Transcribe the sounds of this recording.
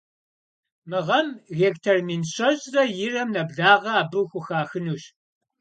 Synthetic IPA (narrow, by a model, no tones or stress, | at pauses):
mɨʁɐmɣeːktʰermiːnɕɐɕʼrɐjɪrɐmnɐbɮaːʁɐaːbɨwxʷʊxaːxɨnuːɕ